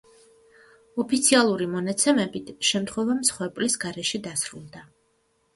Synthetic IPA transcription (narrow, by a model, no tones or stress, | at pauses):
ɔpʰit̪sʰialˠuɾimɔnat̪sʰɛmɛbit̪ʰʃɛmt̪χwɛvamsχwɛɾpʼlisɡaɾɛʃɛd̪asɾulˠd̪a